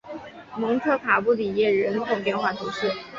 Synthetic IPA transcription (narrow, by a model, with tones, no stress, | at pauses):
mɤ˧˥ŋʈ͡ʂʰɤ˥kʰa˨˩pu˥˩li˨˩jɛ˥˩ɻə˧˥nt̪ʰo˨˥˩ŋpjɛ˥˧nxwa˥˩t̪ʰu˧˥ʂɻ̩˥˩